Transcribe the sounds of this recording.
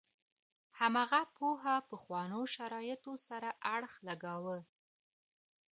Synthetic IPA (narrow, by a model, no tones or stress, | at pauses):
hamɑɣapoɦapəxwɑnoʃaɾɑjɪt̪osaɾaʔaɽxlaɡawə